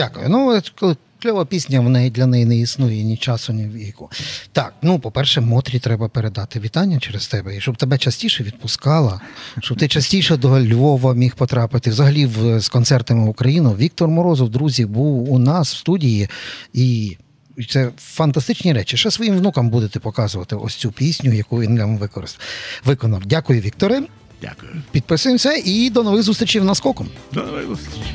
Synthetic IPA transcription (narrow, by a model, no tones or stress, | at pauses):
dʲakʊjʊ̰nukɔlˠɪ | t͡ʃlʲɔʋɐpʲisʲnʲɐʋɔnɛjd̪ʲlʲɐnɛjinɛisnujɛnʲit͡ʃɑsʊnʲiwʲikʊt̪ɑk̚nupɔpɛrʃɛmɔt̪ɾʲit̪ɾɛbɐpeɾed̪ɑt̪ɪʋʲit̪ɑnʲːɐt͡ʃɛɾest̪ɛbɛiʃt͡ʃɔb̚t̪ebɛt͡ʃɐsʲtʲiʃɛʋʲid̪̚pʊskɑlˠɐʃt͡ʃɔb̚t̪ɪt͡ʃɐsʲtʲijʃɛd̪ɔlʲʋɔʋɐmʲixpɔt̪ɾɑpɪt̪ɪwzɐɦɐlʲiwz̥kɔnt̪sɛrt̪ɐmɪʊkɾɐjinʊʋʲik̚t̪ɔrmɔɾɔzɔwd̪ɾuzʲibuwːnɑswst̪udʲijii | t̪sɛfɐnt̪ɐst̪ɪt͡ʃnʲiɾɛt͡ʃiʃɛsʋɔjimʋnukɐmbud̪et̪ɛpɔkɑzʊʋɐt̪ɪʔɔ̰sʲt͡sʲupʲisʲnʲʊjɐkuʋʲinlʲamʋɪkɔɾɪst̪ʋɪkɔnɐwdʲakʊjʊʋʲik̚t̪ɔɾɪ | d̥ʲa̰kʊjʊpʲid̪̚pɪsʊjemsʲɐʔid̪ɔnɔʋɪɣzust̪ɾʲt͡ʃʲiwnɐskɔkɔmd̪